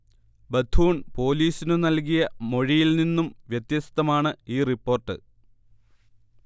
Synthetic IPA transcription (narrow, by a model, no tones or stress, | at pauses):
bɐd̪ʱʰuːɳpo̞ːliːsinɨnɐlkijɐmo̞ɻijilninːumʋjet̪jɐst̪ːɐmaːɳɨiːripːo̞ːrʈːɨ̰